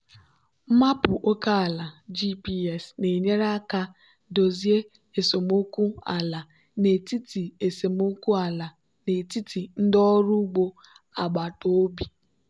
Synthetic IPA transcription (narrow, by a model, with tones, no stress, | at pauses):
m̩˦ma˦pʊ˨ʔo˦ka˦a˨la˨d͡ʒi˦pi˦ɛ˨sne˨ɲe˦ɾa˦ka˦ | do˨zi˦e˦ | e˨so˨m˦o˦ku˦a̰˨la˨ | ne˨ti˦ti˨e˨se˨m˦o˦ku˦a˨la˨ | ne˨ti˦tʰi˨n̩˦dɔ˦ɾu˦ɡ͡bo˦ | a˨ɡ͡ba˨to˦o˦bi˨